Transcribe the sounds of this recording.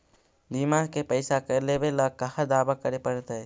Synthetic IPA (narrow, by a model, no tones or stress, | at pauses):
bimaɦkepəɪsakəlebeləɡ̚kːəɦəd̪abakəɾepəɽt̪əj